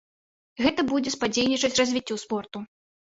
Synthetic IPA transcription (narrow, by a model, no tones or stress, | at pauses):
ɣɛt̪ɐbud͡zʲɛspad͡zʲejʲnʲit͡ʂɐt͡sʲrɐzʲvʲit͡sʲːuspɔrt̪u